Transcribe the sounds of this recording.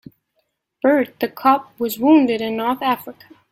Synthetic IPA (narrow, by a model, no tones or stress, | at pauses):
b̥ɜ˞d̪̚ðɨkʰʌp̚wʌzwũndɨɾɨ̃nːɔɹθæfɹɨkʰə̥